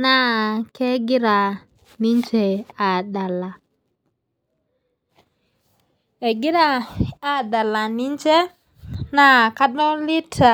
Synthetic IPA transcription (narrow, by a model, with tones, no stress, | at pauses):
na˦˨ke˦ɡi˦ɾa˨ | ni˦nt͡ʃe˨a˨da˨la˨ | e˨ɡi˦ɾa˨a˨da˨la˨ni˦nt͡ʃe˦ | na˦˨ka˦ɗɔ˦li˦ta˨